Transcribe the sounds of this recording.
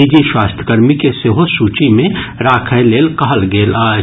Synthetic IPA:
id͡ʒiʃwaːst̪ʰəkəɾmikeseɦosuːt͡ʃimẽ | ɾaːkʰəjleːlkɐɦəlɡeːlaː

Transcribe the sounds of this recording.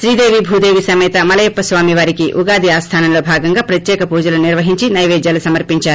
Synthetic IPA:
ʃɾiːd̪e̞ːʋibʱuːd̪e̞ːʋisɐmɛːt̪ɐmɐlɐjɛpːɐsʋaːmiʋaːɾikiʔuɡaːd̪iaːst̪ʰaːnɐmlo̞ːbʱaːɡɐŋɡaːpɾɐt̪jɛːkɐpuːd͡ʒɐlɐniɾʋɐɦiɲt͡ʃinɐjʋeːd͡ʒjaːlusɐmɐɾpiɲt͡ʃaːɾu

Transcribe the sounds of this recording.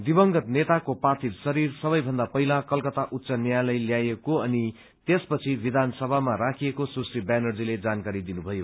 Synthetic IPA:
d̪ibʌŋɡʌt̪net̪akopat̪ʰid̪sʌɾirsʌβʌjbʱʌnd̪apʌɦilakʌlkʌt̪aʔut̪ːsʌnjalʌjljajekoʌni | t̪espʌt͡sʰibid̪ʱansʌbʱamaɾakʰiekosusribjanʌrd͡ziled͡zankaɾid̪inubʱʌjo

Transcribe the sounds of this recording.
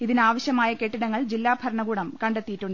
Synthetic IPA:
iðinaːʋɐɕjɐmaːjɐke̞ʈːiɽɐŋːɐɭd͡ʑilːaːbʱɐɾɐɳɐɡuːɽɐmkɐɳɖet̪ːijiʈːuɳɖ

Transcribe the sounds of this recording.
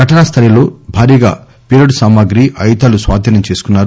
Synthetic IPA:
ɡʱɐʈɐɳɐst̪ʰɐɾɐloːbʱaːɾiːɡa̰ː | piɾɐɽsaːmaɡɾiʔɐjt̪aːlusʋa̰ːd̪ʱinɐmt͡ʃeːsu̥kunːaːɾu

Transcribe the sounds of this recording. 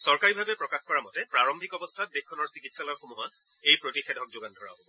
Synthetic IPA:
sɔɹkaɹibʱabɛpɹɔkaxkɔɹamɔtɛpɹaɹɔmbʱikɔbɔstʰat̚bekʰːɔnɔɹsikitsalɔɹxomuɦɔn | ejpɹotixɛdʱɔk̚zoɡandʱɔɹa̰bɔ

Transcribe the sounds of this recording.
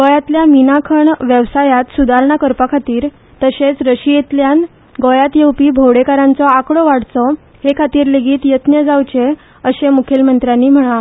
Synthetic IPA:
ɡojat̪ljaminakʰəɳʋjəʋsajat̪sud̪ʱaɾɳakəɾpakʰat̪iːɾ | t̪əɕet͡sɾəɕijet̪ljan | ɡɔjat̪jewpiːbʱowɽekaɾãnt͡sɔakɽɔʋaɽt͡sɔ | hekʰat̪iːɾleɡiːt̪jət̪njəd͡zawt͡ɕe | əɕemukʰelmənt̪ɾjanːiːm̤əɽa

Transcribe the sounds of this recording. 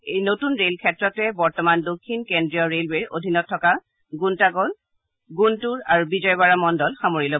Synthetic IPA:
ejnotunɹelkʰɛtɹɔtɛbɔɹtɔmandokʰːinkendɹijɔɹelweɹo̰dʱinɔtʰːɔka | ɡuntakɔl | ɡuntuɹaɹubizɔjbaɹamɔndɔlxamoɹilɔ

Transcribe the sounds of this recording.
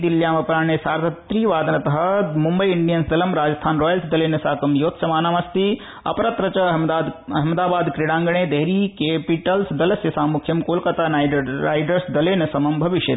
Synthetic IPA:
d̪iljaːmɐpɾaːɳ̃esaːɾt̪ɐt̪ɾiːʋaːd̪ʱɐnɐt̪ɐɦɐmumbɐjɪɳɖijɐnsd̪ɐlɐmɾaːd͡ʒɐst̪ʰaːnɾoːjəlsd̪ɐleːnɐsaːkɐmjoːt̪ʰsɐmaːnaːmɐst̪i | ɐ̰pɐɾɐt̪ɾɐt͡ʃɐɐɦmɐd̪aːbaːd̪kɾiɽãːŋɡɐɳ̃eːd̪eɦɾikeːpiʈɐlsd̪ɐlɐsjɐsaːmukʰjɐmkoːlkɐt̪aːnaːjɾaːjɖɐɾsd̪ɐleːnɐsɐmɐmbʱɐʋiʃjɐ

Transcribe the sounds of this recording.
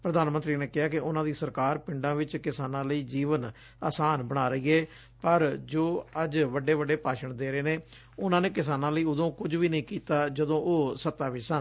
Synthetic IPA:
pɾəd̪aːnmə̃nt̪ɾiːneːkɪɦaːkɪʔʊnãːd̪iːsəɾkaːɾpɪɳɖãːʋɪt͡ʃkɪsaːnãːləiːd͡ʒiːʋən | a̰ːsaːnbəɽ̃aːɾəiːɛː | pəɾd͡ʒoːəd͡ʒʋəɖːeːʋəɖeːpaːʃəɳd̪eːɾeːneː | ʊnãːneːkɪsaːnãːləiːʊd̪õːkʊd͡ʒʋiːnəĩːkiːt̪aːd͡ʒəd̪õːʔoːsət̪ːaːʋɪt͡ʃsən

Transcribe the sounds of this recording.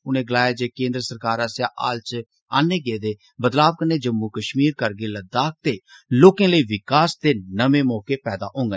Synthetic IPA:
ʊnẽːɡəlaːjaːd͡ʒeːkẽːnd̪ɾəsəɾkaːɾaːsjaːʔa̰ːlt͡ʃ | aːneːɡeːd̪eː | bəd̪laːʋkəneːd͡ʒəmːukəʃmiːɾkəɾɡeːləd̪aːk̚t̪eːloːkẽːləiːʋɪkaːst̪eːnəmẽːmɔːkeːpɛːd̪a̰ːʔõːŋɡ

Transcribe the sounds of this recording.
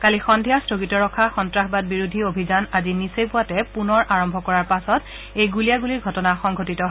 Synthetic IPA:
kalixɔndʱijastɹoɡitɔɹɔkʰaxɔntɹaxbad̚biɹudʱiobʱizanazinisejpʊwatɛpunɔɹʔaɹɔmbʱɔkɔɹaɹpasɔt | ejɡulijaɡuliɹɡʱɔtɔnaxɔŋɡʱotitɔɦ

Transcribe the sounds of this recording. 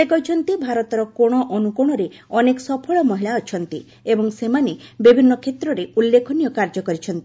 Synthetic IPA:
ekɔɦit͡ʃʰɔnt̪ibʱaɾɔt̪ɔɾɔkoɽ̃ɔʔɔnukuɽ̃ɔɾe | ɔnekɔsɔpʰɔɭɔmɔɦiɭaɔt͡ʃʰɔnt̪i | ebɔŋsemanebibʱinːɔkʰet̪ɾɔɾeulːekʰɔnijɔkaɾd͡ʒɔkɔɾit͡ʃʰɔnt̪i

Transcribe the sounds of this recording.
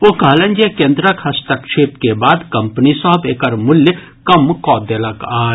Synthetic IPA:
okɐːlə̃nd͡ʒjekẽːnd̪ɾəkhɐst̪əkʃeːpkebaːd̪kɐ̃mpnisɔɦəbeːkəɾmʊljə | kɐmkɔːd̪elɐkaː

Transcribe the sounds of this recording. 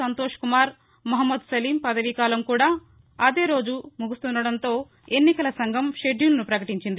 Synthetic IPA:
ɐnt̪oːʂkumaːɾ | mɐɦɐmːɐd̪sɐliːmpɐd̪ɐʋikaːlɐmkuːɽaː | ɐd̪e̞ːɾo̞ːd͡ʒumuɡust̪und̪ɐɽɐnt̪o̞ː | e̞nːikɐlɐsɐŋɡʱɐmʂe̞ɖjuːlɐnupɾɐkɐʈiɲt͡ʃind̪i

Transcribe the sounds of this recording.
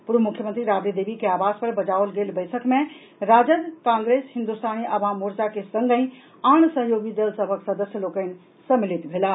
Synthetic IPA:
puɾbʱəmukʰːjəmənt̪ɾiɾabɾid̪ebikeabaspəɾbəd͡ʒaolɡelbəɪsʰəkme | ɾad͡ʒəd̪kãŋɡɾeshĩnd̪ust̪ʰaniʔəbãmuɾt͡ʃakesəŋɡə̃ĩ | aɳ̃səɦjoɡid̪əlsəbʱəksəd̪əsjəlokən̆ | səmilit̪bʱela

